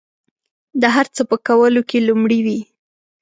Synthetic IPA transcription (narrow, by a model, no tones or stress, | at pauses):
d̪əɦaɾt͡səpəkawəlokelumɽiwi